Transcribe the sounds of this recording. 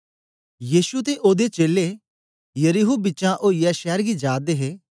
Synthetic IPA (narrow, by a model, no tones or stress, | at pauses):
jiːʃut̪eʔoːd̪et͡ʃeːle | jəɾiɦubɪːt͡ʃãʔoːijɛʃɛːɾɡid͡ʒaːd̪eɦeː